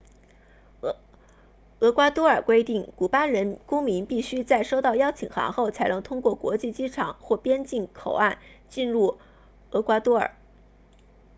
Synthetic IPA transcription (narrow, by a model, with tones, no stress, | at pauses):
ɤ˧˥kwa˥t̪wɔ˥ə˞˨˩kwe˥ɪt̪i˥˩ŋku˨˩pa˥ɻə˧˥nkʊ˥ŋmi˧˥npi˥˩ɕy˥t͡sa˥˩ɪʂo˥ʊt̪ɑ˥˩ʊjɑ˥ʊt͡ɕʰi˨˩ŋxa̰˧˥ŋxo˥˩ʊt͡sʰa˧˥ɪnɤ˧˥ŋt̪ʰʊ˥ŋkwɔ˥˩kwɔ̰˧˥t͡ɕi˥˩t͡ɕi˥ʈ͡ʂʰɑ˨˩˦ŋxwɔ˥˩pjɛ˥nt͡ɕi˥˩nkʰo˨˩ʊa˥˧nt͡ɕi˥˧nɻu˥˩ | ɤ˧˥kwa˥t̪wɔ˥ə̰˞˨˩˦